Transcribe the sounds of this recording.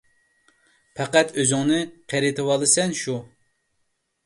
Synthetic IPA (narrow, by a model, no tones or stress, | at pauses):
pʰɛqæt̪ʰøzɪŋnɨqʰɛɾɪt̪ʰɨwɑlˠɨsɛnʃu